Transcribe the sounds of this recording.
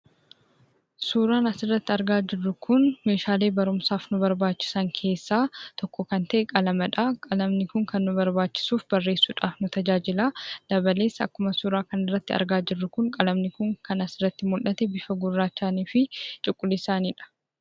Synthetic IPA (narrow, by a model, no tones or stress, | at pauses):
suːɾaːnɐsɪrːɐt̪ːɪɐɾɡaːd͡ʒɪrːʊkʰʊnme̞ːʃaːle̞ːbɐɾʊmsaːfnʊbɐɾbaːt͡ʃːɪ̥sɐŋkʰe̞ːsːaːt̪ɔkːɔkɐnt̪ɐʔɛkʼɐlɐmɐᶑaːkʼɐlɐmnɪkʊŋkɐnːʊbɐɾbaːt͡ʃːɪ̥suːfbɐrːe̞ːsːuːᶑaːfnʊt̪ɐd͡ʒaːd͡ʒɪlaːd̪̥ɐbɐle̞ːsːɐ̰kːʊmɐsuːɾaːkɐnɪrːɐt̪ːɪɐ̰ɾɡaːd͡ʒɪrːʊkʊŋkʼɐlɐmnɪkʊŋkʰɐnɐsɪrɐt̪ːɪmʊlʔːɐt̪ɛbɪfɐɡʊrːaːt͡ʃːaːniːfɪt͡ʃʼɪkʼːʊlɪsaːniːᶑɐ̥